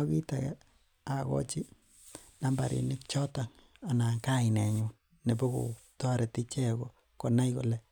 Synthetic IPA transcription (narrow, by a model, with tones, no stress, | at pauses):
ki˦ta˨ka̰˦ | a˨kɔ̰˦t͡ʃi˦ | na˦mba˨ɾḭ˨nɪ˦k̚t͡ʃɔ˦ta˨ŋ | a˨na˨ka˦˨nɛ˨ɲu˨n | ne˨bɔ˦ko̰˨ | tɔ˦ɾɛ˨ti˦t͡ʃɛ˦ko˨ | ko˨na˦jko˨lɛ˨